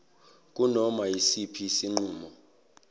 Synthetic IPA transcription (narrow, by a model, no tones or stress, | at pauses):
k̬ʼunɔmajisipʰisiŋ͡ǃuːmɔ